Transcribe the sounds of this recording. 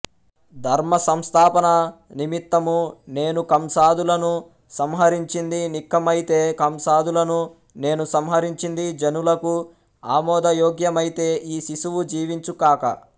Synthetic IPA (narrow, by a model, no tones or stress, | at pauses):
d̪ʱɐɾmɐsɐmst̪ʰaːpɐnɐnimit̪ːɐmune̞ːnukɐmsaːd̪ulɐnu | sɐmɦɐɾiɲt͡ʃind̪inikːɐmɐjit̪e̞ːkɐmsaːd̪ulɐnu | ne̞ːnusɐmɦɐɾiɲt͡ʃind̪id͡ʒɐnulɐku | aːmɔːd̪ɐjɔːɡjɐmɐjit̪e̞ːʔiːsisuʋud͡ʒiːʋiɲt͡ʃukaːkɐ̰